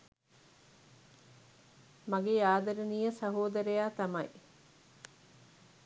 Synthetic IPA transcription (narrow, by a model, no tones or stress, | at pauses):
mɐɡeaːd̪ɐɾeniːjəsɐɦoːd̪ɐɾejaːt̪ɐmɐj